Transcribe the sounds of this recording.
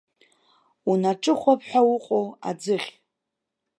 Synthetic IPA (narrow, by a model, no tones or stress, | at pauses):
unaʈ͡ʂʼɨχʷapʰħʷᶣawʊqʼowa̰d͡zɨχʲ